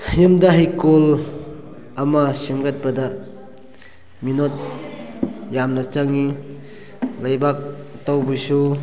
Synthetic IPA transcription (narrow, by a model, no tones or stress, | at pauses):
jɯmdɐɦajkol | ɐmɐsemɡat̚bɐda | minot̚ | jamnɐt͡ʃaŋi | lajbak̚tawbusu